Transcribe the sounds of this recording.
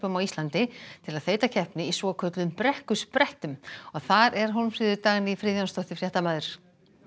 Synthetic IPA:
pʏmawist̪lant̪ɪt̪ʰɪlaðθeːjt̪acʰɛhpnɪisvɔkʰœt̪lʏmpɾɛhkʏspɾɛht̪ʏmɔɣθaɾɛɾ̥ɦɔlmfɾɪðʏt̪aːɣɪnɪifɾɪːðjɔnst̪ɔht̪ɪfɾjɛht̪amaːðʏɾ̥

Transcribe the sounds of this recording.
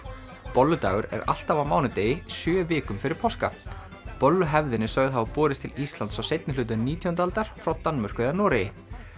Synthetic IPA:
pɔlːʏt̪a̰ːɣʏɾɛ̰ɾa̰l̥t̪avamaːwnʏt̪eːjɪsjœːvɪːkʏmfɪɾɪɾ̥pʰɔwska̰ | pɔlːʏɦɛvðɪnɪsœɣðɦaapɔːɾɪst̪ʰɪlist̪lant̪sawsejt̪nɪlʏːt̪̬ʏniːt̪ʰɔnt̪alt̪aɾ̥fɾawt̪anmœr̥kʏɪðaɾnɔːɾɪjɪ

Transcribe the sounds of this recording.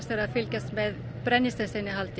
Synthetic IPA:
səɾɑfʏlkəsmeː | b̥ɾɛnɪsəsɪnɪhɑlt̪ʰ

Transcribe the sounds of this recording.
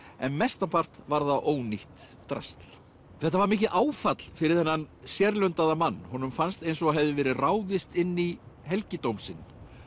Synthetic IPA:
ɛnmɛst̪ampar̥t̪vaɾðaʔoːwniht̪ː | ɾa̰st̪l̥ | θɛht̪ːavaɾmɪːhcɪðʔaːwfat̪l̥fɪɾɪɾ̥θɛnːansjɛɾlʏnt̪aðamanːhɔnːʏmfanst̪ejns̬ɔaɦɛvðɪvɛːɾɪraːwðɪst̪ɪnːiɦɛlcɪt̪owmsɪn

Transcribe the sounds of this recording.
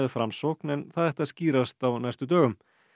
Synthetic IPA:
ɛðfɾamsɔwknɛnθaðɛht̪aðsciːɾast̪awnajst̪ʏt̪œːɣʏm

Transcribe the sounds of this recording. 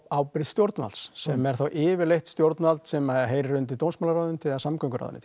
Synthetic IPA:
aːwpɾɪðst̪jowɾt̪nva̰lssɛmɛɾ̥θawʔɪːvɪɾlejht̪st̪joɾt̪nvalt̪sɛmaɦeːjɾrʏnt̪̬ɪt̪ownsmalaɾawðʏnt̪ʰɪðasamkœŋkʏɾa̰wðʏ̰nɪ̰

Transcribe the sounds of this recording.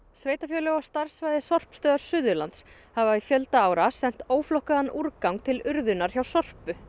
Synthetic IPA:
sveːjt̪afjœlœwḁst̪aɾ̥svajðɪsɔr̥pst̪œːðaɾ̥sʏðʏɾlant̪s | havaifjœlt̪aaːwɾasɛn̥t̪oːwflɔhkaðanʔuɾkawŋkt̪ʰɪlʏɾðʏnːaɾ̥çjawsɔr̥pʏ

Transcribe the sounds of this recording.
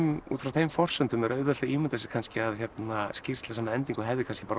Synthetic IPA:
mṵt̪fɾawθejmfɔr̥sʏnt̪ʏmɛɾœɥðɛlaiːmʏt̪ɛsɪ̥kʰanscɪaðçjɛt̪nascɪr̥st̪las̬aːmaɛnt̪iŋkɔɦɛːvðɪkʰans̬cɪpaːɾ

